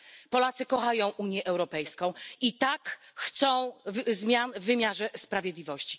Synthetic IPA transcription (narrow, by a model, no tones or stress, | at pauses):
pɔlat̪sɘkɔxajɔ̃w̃ʔuɲjɛʔɛwɾɔpɛjskɔ̃w̃it̪akxt̪sɔ̃w̃zmʲjanvːɘmʲjaʐɛspɾavʲjɛd̪lʲivɔɕt͡ɕi̥